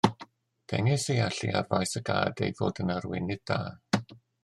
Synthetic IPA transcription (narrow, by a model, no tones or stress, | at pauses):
d̥ɛŋɪsejaɬḭa̰vajsəɡa̰ːdḛjvoːdənarwɪ̰nɨd̚daː